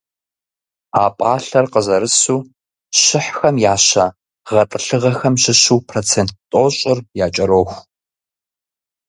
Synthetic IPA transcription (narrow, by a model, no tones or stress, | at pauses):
aːpʼaːɬɐrqəzɐɾɨsuː | ɕɪħxɐmjaːɕa | ʁɐtʼɨɬɨʁɐxɐmɕɪɕuːpʰroːt͡sʰeːnt̚tʼoːɕʼɪrjaːt͡ʃʼɐɾoːxʷ